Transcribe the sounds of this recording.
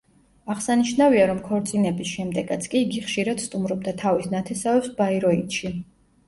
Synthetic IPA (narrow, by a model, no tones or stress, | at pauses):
aʁsaniʃnaviaɾɔmkʰɔɾt̪sʼinɛbisʃɛmd̪ɛɡat̪sʰkʼiːɡiχʃiɾad̪̥st̪ʼumɾɔb̚d̪at̪ʰavisnat̪ʰɛsavɛpsbaiɾɔit̪ʃi